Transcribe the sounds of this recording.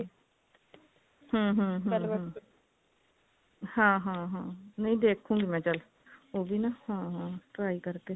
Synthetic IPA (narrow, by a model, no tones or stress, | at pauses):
hə̃ːɦə̃ːɦ | hãːɦãːɦãːnəĩːd̪eːkʰːũːɡiːmɛ̃ːt͡ʃəl | oːʋiːnahãːɦãːʈɾaːikəɾkeː